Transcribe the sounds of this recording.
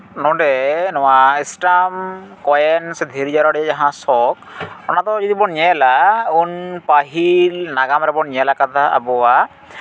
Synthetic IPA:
nɔɖɛnɔwaisʈamkɔjɛnsd̪ʱiɾid͡ʒaɾɔɽɛad͡ʒaɦãsɔk̚ɔnat̪ɔd͡ʒɔd̪ibɔɾɲɛlaunpaɦilnaɡamɾɛbɔɾɲɛlakat̪ʰaʔa̰bɔwa

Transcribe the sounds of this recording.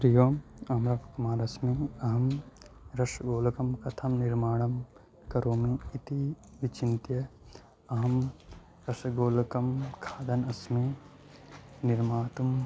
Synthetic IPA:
pɾijoːmɐmɾɐkɐmaːɾɐsmeɐɦɐmɾɐʃɡoːlkɐmkɐt̪ʰɐmniɾmaːɽɐm | kɐɾoːmiːt̪i | ʋit͡ʃint̪jɐ | ɐɦɐm | ɾɐsɡoːlkɐmkʰaːd̪ɐnɐsme | niɾmaːt̪um

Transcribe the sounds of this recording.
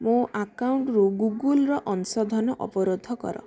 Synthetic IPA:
mũakawɳʈɾuɡuɡulɾɔʔɔnsɔd̪ʱɔnɔʔɔ̰pɔɾod̪ʱːɔkɔ̰ɾɔ̰

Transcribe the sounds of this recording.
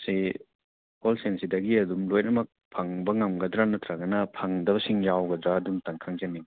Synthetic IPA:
si | kolsensidɐɡiɐdumlojnɐmɐk̚pʰaŋbɐŋɐmɡɐdɾanɐt̪ʰɾɐɡɐnɐpʰɐŋdɐbɐsiŋjawɡɐdɾaːdumtaŋkʰaŋd͡ʒɐni

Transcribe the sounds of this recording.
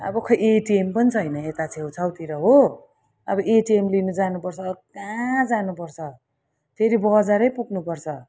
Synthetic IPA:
ʌ̰bʌkʰʌjeʈiempʌnit͡sʰʌjnʌet̪at͡sʰew̃t͡sʰʌwt̪iɾʌɦo | ʌbʌʔeʈiemlinud͡zanupʌrt͡sʰʌbkãd͡zanupʌrt͡sʰʌ | t̪ʰeɾibʌd͡zaɾʌjpuknupʌrt͡sʰʌ

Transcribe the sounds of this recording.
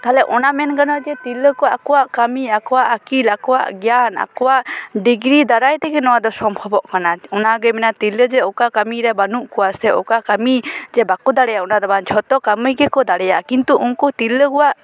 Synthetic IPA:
t̪alɛʔɔnamɛnkanɔd͡ʒɛt̪iləkɔwaʔakɔwaʔkamiakɔwaʔakilakɔwa̰ʔɡjana̰kɔwaʔɖiɡɾid̪aɾajt̪ɛɡɛnɔwad̪ɔsɔmpʰɔbɔʔkanaɔnaɡəmɛnat̪iləd͡ʒɛɔkakamiɾɛbanuʔkɔwasɛɔ̰kakamid͡ʒɛbakɔd̪aɽɛjaʔɔnad̪ɔbant͡ʃʰɔt̪ɔkaməjɡɛkɔd̪aɽɛjakint̪uʔuŋkɔt̪iləkɔwaʔ

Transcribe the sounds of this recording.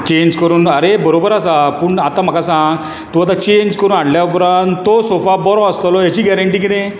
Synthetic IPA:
t͡ɕeɲd͡ʑkəɾuːnəɾebəɾobəɾasapuɳat̪ãm̤əkasã | t̪uat̪̬at͡ɕeɲd͡ʑkəɾuːnaɽljaupɾant̪t̪ːosofabɔɾɔ̃əst̪lɔjat͡ɕiːɡɛɾəɳʈiːkinẽ

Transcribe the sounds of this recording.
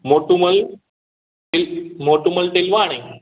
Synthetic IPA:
moʈuməl | ilmoʈuməlʈelʋaɽ̃e

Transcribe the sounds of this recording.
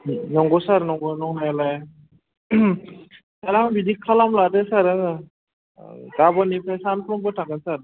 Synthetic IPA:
nɔŋɡɔsaɾnɔŋɡɔnɔŋnajlaj | saɾabidikʰːalamlatɛsaɾ | ɡabɔnipʰajsanpʰɾɔŋbɔtʰakansaɾ

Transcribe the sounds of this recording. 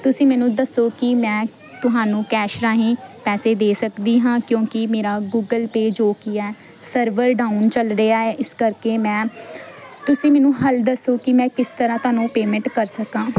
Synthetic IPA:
t̪ʊsĩːmɛːnũːd̪əsːoːkɪmɛ̃ː | t̪ʊɦaːnũːkɛːʃɾaːɦĩːpɛːseːd̪eːsəkd̪iːɦãːkjõːkɪmeːɾaːɡuːɡəlpeːd͡ʒoːkɪɛː | səɾʋəɾɖaːʊnt͡ʃəlɾəaːɛːʔɪskəɾkeːmɛ̃ː | t̪ʊsĩːmɛːnũːɦəld̪əsːoːkɪmɛ̃ːkɪst̪əɾãːt̪ʊaːnũːpeːmɛ̃ɳʈkəɾsəkãː

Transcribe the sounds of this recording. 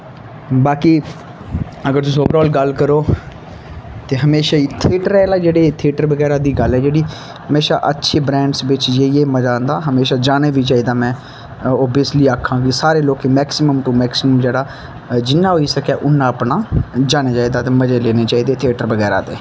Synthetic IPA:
baːkiː | əɡəɾt̪ʊsoːbəɾɔːlɡəlkəɾoː | t̪eːɦəmeːʃaːiːt̪ʰɪːʈəɾɛːlaːd͡ʒeːɽeːt̪ʰeːʈəɾʋəɡɛːɾaːd̪iːɡəlɛːd͡ʒeːɽiː | həmeːʃa̰ːʔətːʃʰeːbɾɛ̃ːɳɖsʋɪt͡ʃd͡ʒeːieːməd͡ʒaːnd̪aːɦəmeːʃaːd͡ʒaːneːʋiːt͡ʃaːiːd̪aːmɛ̃ː | ɔːbiəsliːaːkʰːãːɡisaːɾeːloːkeːmɛːksɪməmt̪uːmɛːksɪməmd͡ʒeːɽaː | d͡ʒɪnːãːɦoːiːsəkɛːʔʊnːãːəpnaːd͡ʒaːneːt͡ʃaːiːd̪aːt̪eːməd͡ʒeːleːneːt͡ʃaːiːd̪eːt̪ʰeːʈəɾʋəɡɛːɾa̰ːt̪eː

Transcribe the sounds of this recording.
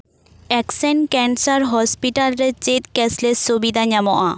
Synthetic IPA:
ɛksɛnkɛnsaɾɦɔspiʈalɾet͡ɕet̪̚kɛslesubid̪ʱaɲamɔʔa

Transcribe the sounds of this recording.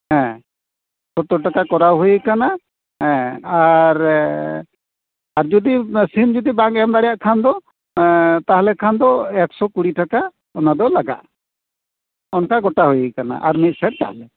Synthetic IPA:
ɦɛ̃ | sɔt̪ɔʈakakɔɾawɦujikana | ɦɛ̃aɾ | aɾd͡ʒɔd̪isind͡ʒɔd̪ibaŋɡɛmd̪aɽɛjaʔkʰand̪ɔ | t̪aɦalɛkʰand̪ɔɛksɔkuɽiʈaka | ɔnad̪ɔlaɡa̰ʔ | ɔnkaɡɔʈaɦujikana̰ʔa̰ɾmit̪̚ˀsɛʈ̚t̪a̰ɦlɛ

